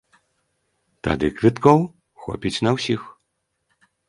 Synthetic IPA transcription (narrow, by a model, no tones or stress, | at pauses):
t̪a̰d̪ɨkɾʲɨt̪kɔw | xɔ̰pʲit͡sʲnɐwsʲix